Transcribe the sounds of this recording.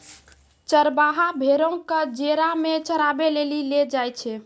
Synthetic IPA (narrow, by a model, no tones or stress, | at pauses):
t͡ʃəɾbaɦabʱeɾə̃kəd͡ʒeɾamet͡ʃəɾabeleliled͡ʒajt͡ʃʰɛ